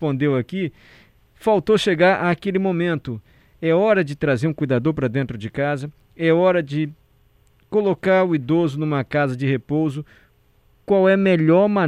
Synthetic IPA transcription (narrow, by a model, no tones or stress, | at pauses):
põnd̪ewɐki | fawt̪oʃeɡaɾʔaːkelɪmõmẽnt̪ʊ | ɛɔɾɐd͡ʒɪt̪ɾazeɾũkujd̪ad̪oɾpɾɐd̪ẽnt̪ɾʊd͡ʒɪkazɐ | ɛɔɾɐd͡ʒɪ | kolokaɾʊid̪ozʊnũmɐkazɐd͡ʒɪhepowzʊ | kwawɛmeʎɔɾmɐ̃